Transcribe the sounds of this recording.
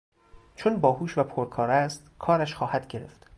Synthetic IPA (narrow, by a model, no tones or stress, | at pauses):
t͡ʃʰonbɒːɦuːʃvæpʰoɾkʰɒːɾæst̪kʰɒːɾæʃxɒːhæd̪ɟe̞ɾe̞̰ft̪